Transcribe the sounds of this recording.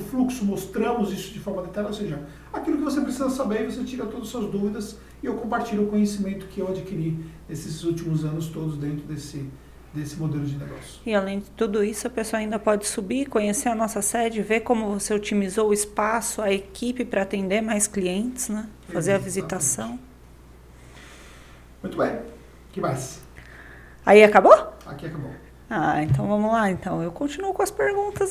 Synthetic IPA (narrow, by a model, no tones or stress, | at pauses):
ʊfluksʊmost̪ɾɐ̃mʊzisʊd͡ʒɪfɔɾmɐd̪it̪ɛɾɐowseʒɐ | akilʊkɪvosepɾesizɐsabeɾɪvos̬et͡ʃiɾɐt̪od̪ɐsuɐzd̪uvid̪ɐs | ɪewkõmpaɾt͡ʃiʎʊʊkõɲesimẽnt̪ʊ̥kɪewad͡ʒikiɾinesɪzɪut͡ʃimʊzɐ̃nʊst̪od̪ʊzd̪ẽnt̪ɾʊd̪esɪ | d̪esɪmod̪elʊd͡ʒɪneɡɔ̰sjʊ̥ɪalẽj̃d͡ʒɪt̪ud̪ʊisʊɐpesoɐaĩnd̪ɐpɔd͡ʒɪsubikõɲeseɾɐnɔsɐsɛd͡ʒɪveɾkõmʊvoseot͡ʃimizoʊɪspasʊɐekipɪpɾɐːt̪ẽnd̪eɾmajskliẽnt͡ʃɪ̥znɛfazeɾɐvizit̪asɐ̃w̃ | mũj̃t̪ʊbẽj̃ | kɪmajs | aiakaboakiakabo̰ | aẽnt̪ɐ̃w̃vɐ̃mʊlaẽnt̪ɐ̃w̃ewkõt͡ʃinuʊkõɐspeɾɡũnt̪ɐs